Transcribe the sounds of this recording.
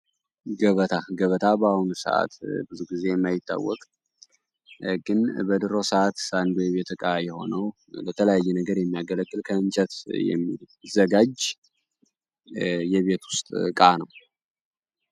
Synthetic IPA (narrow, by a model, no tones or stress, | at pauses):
ɡəβət̪ʰaɡəβət̪ʰabahunsə̰ʔa̰t̪bɨzuɡize̞jɛmːajɪt̪ʼːa̰wːɔ̰kʼ | ɡɨnbəd̪ɨɾosəʔat̪sand̪ojɛβe̞t̪ʰɨkʼajɛho̞̰nəw | lət̪ʰələjajːɛnəɡəɾjɛmːijaɡələkːɨlkʰəɨnt͡ʃʼət̪jɛ̰mːi | zəɡad͡ʒ | jɛβe̞t̪wʊst̪ʼkʼanəw